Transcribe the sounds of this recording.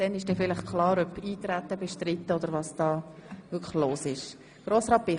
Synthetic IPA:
d̥ɛnɪʃd̥eːfɪləχkʰχlɑːɾœpiːt̪ɾæt̪ːəbɛʃtrɪt̪ːəod̪əɾʋɑsd̥ɑːvʏkʰloːsɪʃ | ɡ̥roːsʁɑːpɪ

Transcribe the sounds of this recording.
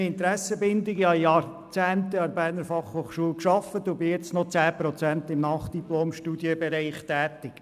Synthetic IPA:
ɪntɾæsəbɪnd̪ɪɡjɑjɑr | t͡sæːnt̪əɑɾbæːnəɾfɑχhoːχʃuəlkʃɑfət̪ʊbɪjɛt͡snɔt͡sæːpɾɔt͡sænt̪ɪmnɑχd̥iploːmʃtuːdjəbɛɾɛɪχtæːt̪ɪk

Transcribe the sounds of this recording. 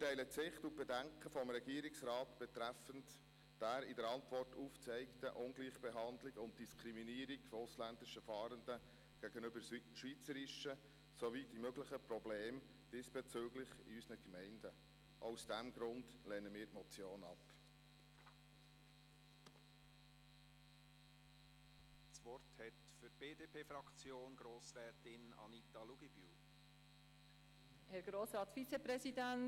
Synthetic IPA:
tɛɪlət͡sɪχtub̥ɛdæŋkχəfɔmɾɛɡ̥iəɾɪksɾɑːtb̥ɛt̪ɾæfənt | d̥æːɾidəɾɑntvɔrtuft͡sɛɪktə̰ʔʊnɡliːχb̥ɛɦɑndlɪɡʊnt̚d̥iskʰɾiminiːəɾiɡ̥fɔʊslændɪʃəfɑːɾənd̥ə | ɡ̥æɡ̥ənʏbəɾʃʋit͡səɾɪʃə | sovid̥imøɡlɪχəpɾɔbleːm | d̥ɪsb̥ɛt͡søːɡlɪχḭysənəkmɛɪndə | ʔoʊsd̥æmɡ̥ɾʊndlɛnəmiːɾtmɔt͡sjoːnɑp | svɔrthɛtfyb̥eːdeːpʰeːfɾɑkt͡sjoːnɡ̥ɾoːsɾɛːtɪnɑ̰nitɑluɡ̥ib̥y | hɛɾɡ̥ɾoːsɾɑːtfit͡sepɾɛsidæn

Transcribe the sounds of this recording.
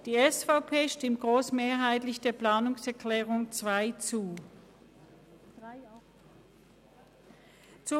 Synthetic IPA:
d̥iːɛsfaʊpʰeːʃtɪmt̚ɡ̥ʁoːsmeːɐɦaɪtlɪçd̥eːɐpl̥aːnʊŋsɛɐkʰl̥ɛːʁʊŋt͡sv̥aɪt͡suː | t͡su

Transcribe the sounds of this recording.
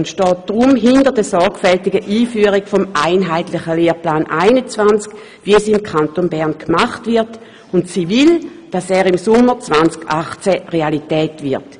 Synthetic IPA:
ʊntʃtɔːt̚d̥ʁʊmɦɪndəʁdəsɔɐɡfɛltiɡəʔiːfyːəʁikfomaɪnɦaɪtlɪχəleːplaːnʔaɪnət͡svant͡sk | ʋiɛsimkʰχantonbɛʁnkʰmaχtvɪɐt | ʊntsiːvild̥asɛːʁimsʊmːəʁt͡svant͡skaχt͡sɛʁealitɛːtvɪɐt

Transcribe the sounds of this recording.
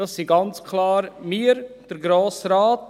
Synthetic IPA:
ɑsːiɡɑnt͡skʰlɑːɾmiːɾd̥əɾɡɾoːsɾaːt

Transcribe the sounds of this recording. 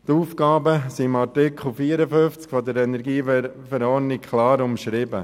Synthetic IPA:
t̪uːfkɑːbəsimɑɾtɪkʰl̩ˠfiːəɾəfʏft͡skfɔd̪əɾɛnɛɾɡiːfɛɾɔːɾnɪkkʰlɑːɾʊmʃɾɪbə̰

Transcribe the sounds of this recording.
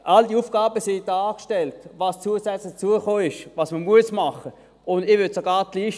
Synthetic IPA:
ʔaldiufɡ̥aːbəsɪd̥aːkʃtɛltvɑːst͡suəsɛt͡slɪχt͡suəχoːɪʃvɑːsməmuəsmɑχə | ʊndɪːvʏtsoɡɑːʁtliːʃ

